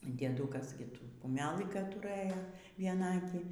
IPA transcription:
dʲiɛˈdʊkɐs ˈɡʲɪ ˈtuː kʊˈmʲæːlˠɨ kɐ ˈtʊrɘjoː ʋʲiɛˈnɐɐkʲiː

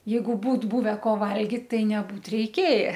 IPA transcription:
ˈjɛɪɡʊ ˈbuːt ˈbʊʋʲɛ ˈkoː ˈʋɐlʲɡʲɪt ˈtɐɪ nʲɛˈbuːt rʲɛɪˈkʲeːjɛ

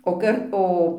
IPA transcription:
oː ˈkɐrt ˈoː

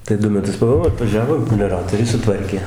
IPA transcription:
tɐɪ ˈdʊ mʲɛˈtʊs pɐˈbuɔ ɐtʋɐˈʒʲæːʋoː mʲɛlʲoːˈrɑːtoːrʲɛɪ sʊˈtʋɐrʲkʲeː

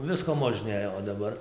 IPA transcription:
ˈʋʲɪskoː moːʒʲˈnʲeːjoː oː dɐˈbɐr

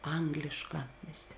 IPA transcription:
ˈɐŋɡlʲɪʃˌkɑː ˈʋʲeːˌsʲeː

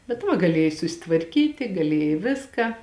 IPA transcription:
bʲɛt ˈʋɐ ɡɐˈlʲeːjɛɪ sʊsʲɪtʋɐrʲˈkʲiːtʲɪ ɡɐˈlʲeːjɛɪ ˈʋʲɪskɑː

